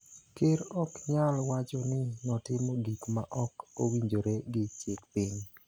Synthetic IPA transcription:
kɪɾɔkɲalwat͡ʃɔnɪnɔtɪmɔɡikmaʔɔkowiɲd͡ʒoɾeɡɪt͡ʃekpɪɲ

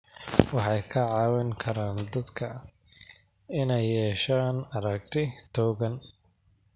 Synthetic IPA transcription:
wɑħɑjkʰɐʕɑːwɪŋkʰɐɾaːnd̪ɐd̪kʰɐ | ɪnɛjːɛːʃaːnɐɾɐk̚t̪ʰɪt̪ʰɔːɣɐn

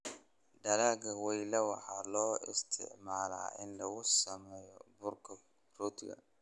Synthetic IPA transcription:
ɖɐlaːɡɐwɛjlɐwɑħɑːlɔːɪ̰st̪ʰɪ̰ʕmaːla̰ːɪnlɐɣʊsɐmɛːjɔbʊrkʰɐ | rɔːt̪ʰɪɡɐ̰

